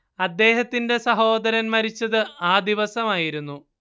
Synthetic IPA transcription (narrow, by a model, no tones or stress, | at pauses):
ɐd̪ːe̞ːɦɐt̪ːinde̞sɐɦo̞ːd̪ɐɾɐnmɐɾit͡ɕːɐðɨaːd̪iʋɐsɐmaːjiɾunːu